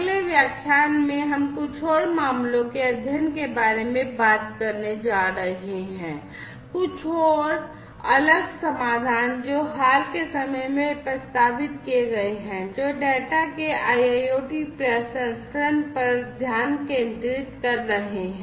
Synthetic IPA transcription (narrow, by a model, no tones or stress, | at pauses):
leʋjakʰːjaːnmẽɦɐmkʊt͡ʃʰɔːɾmaːmlõkeɐd̪ʱjənkebaːɾemẽbaːt̪̚kəɾned͡ʒaːɾəɦeɦɛ̃ː | kʊt͡ʃʰɔːɾ | ɐləɡsəmaːd̪ʱaːnd͡ʒoːɦaːlkesəməjmẽpɾəst̪aːbɪt̪̚kieɡɐeɦɛ̃ːd͡ʒoːɖɛːʈakeaːjaoːʈipɾesəsɾənpəɾd̪ʱjaːnkẽːnd̪ɾit̪kəɾːəɦeɦɛ̃